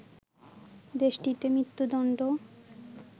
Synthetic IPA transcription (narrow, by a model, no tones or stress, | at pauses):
d̪eʃʈit̪emɾit̪ːud̪ɔɳɖo